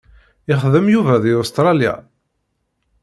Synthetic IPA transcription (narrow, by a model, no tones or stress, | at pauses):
ɪχðəmjuvæðiost̪ɾˤɑlja̰